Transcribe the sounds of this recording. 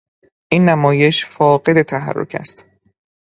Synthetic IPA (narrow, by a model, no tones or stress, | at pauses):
ʔinːæmɒːje̞ʃfɒːɢe̞d̪et̪ʰæɦæ̰rːo̞̰cʰæ̰st̪